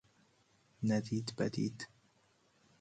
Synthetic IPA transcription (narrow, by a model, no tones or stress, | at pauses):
nad̪iːt̪ba̰d̪ḭːt̪